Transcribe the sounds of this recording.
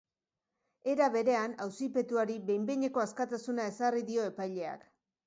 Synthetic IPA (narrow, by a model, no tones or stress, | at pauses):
e̞ɾaβe̞ɾe̞anawsipe̞t̪uaɾiβe̞jmbeɲe̞ko̞askat̪asunae̞sariðio̞e̞pajʎe̞a̰k